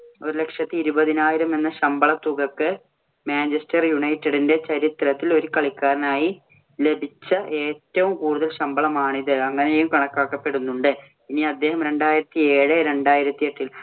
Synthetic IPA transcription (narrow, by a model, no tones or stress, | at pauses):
o̞ɾule̞kʂjɐt̪ːiiɾubɐðinaːjiɾɐme̞nːɐɕɐmbɐɭɐt̪ːuɣɐkːɨ | maːnd͡ʑestɐrjuɳɐjtːɐɽinde̞t͡ɕɐɾit̪rɐt̪ːilo̞ɾukɐɭikːaːɾɐnaːji | le̞bʱit͡ɕːɐʔe̞ːtːɐʋumkuːɽuðɐlɕɐmbɐɭɐmaːɳiðɨɐŋːɐnejumkɐɳɐkːaːkːɐpːe̞ɽunːuɳɖɨ | pinːiɐd̪ːe̞ːɦɐmɾe̞ɳɖaːjiɾɐt̪ːie̞ːɻɨɾe̞ɳɖaːjiɾɐt̪ːieʈːil